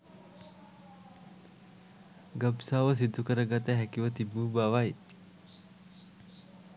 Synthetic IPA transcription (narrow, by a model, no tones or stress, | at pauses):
ɡəbsaʋəs̬id̪ʱːukəɾəɡat̪eɦɛkiʋət̪ibuːbaʋaj